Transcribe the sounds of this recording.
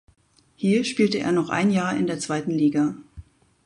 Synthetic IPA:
hiːɐʃpiːltəʔḛːɐnɔχʔa̰ɪnjaːɐʔɪ̰ndeːɐt͡sv̥aɪtn̩liːɡa

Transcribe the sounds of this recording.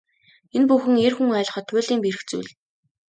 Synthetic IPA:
enpuxɘ̆ŋerxuŋœːɮʲχɔt̪wʊːɮiːmpiɾɘ̆xt͡sṵjɮ

